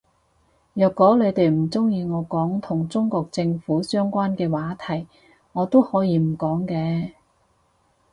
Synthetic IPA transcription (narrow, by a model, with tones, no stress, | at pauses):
jœː˨kːɔː˨˥le˨˧jt̪e˨jm̩˨˩t͡sʊ˥ŋjiː˧ŋɔː˨˧kɔː˨˥ŋt̪ʰʊ˨˩ŋt͡sʊ˥ŋkɔː˧k̚t͡sɪ˧ŋfuː˨˥sœː˥ŋkʷaː˥nkɛː˧waː˨˥t̪ʰɐ˨˩j | ŋɔː˨˧t̪o˥whɔː˨˥jiː˨˧m̩˨˩kɔː˨˥ŋkɛː˧